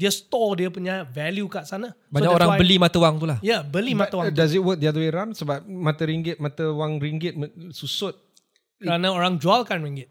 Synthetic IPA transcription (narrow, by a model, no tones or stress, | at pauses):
diəst̪ɔdiəpuɲavɛljukaʔsana | baɲakoɾaajbəlimat̪əwaŋt̪ulahjabəlimaəwadazit̚wək̚d̪iad̪əweɾansəbap̚mat̪əɾiŋɡɪt̪̚mat̪əwaŋɾiŋɡɪt̪̚məsusʊt̪̚ | kəɾanəoɾaŋd͡ʒualkanɹiŋɡɪt̪̚